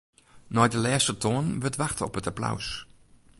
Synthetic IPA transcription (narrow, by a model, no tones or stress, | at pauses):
nɔjdəlɛːstətʰɔnʋətʋaxtəɔ̰pətapla̰ws